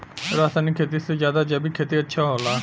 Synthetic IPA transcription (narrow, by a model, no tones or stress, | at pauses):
ɾaːsaːnikʰeːt̪̬isezjaːd̪ad͡ʒɐbikʰeːt̪iətːʃʰaɦoːlaː